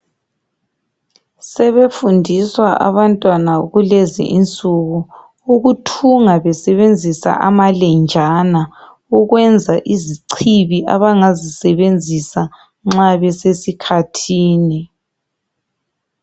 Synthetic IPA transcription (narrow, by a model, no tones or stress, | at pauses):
sɛβefundʱiswaʔa̰βantʼwanauɣulɛzḭʔint͡sʼuɣu | uɣutʰuŋaβɛsɛβend͡zʱisa̰ʔa̰malɛnd͡ʒʱana | uɣwɛnd͡zʱaʔiziǀʰiβiʔa̰βaŋazisɛβend͡zʱisa | ŋ͡ǁaβɛsesikʰatʰiːni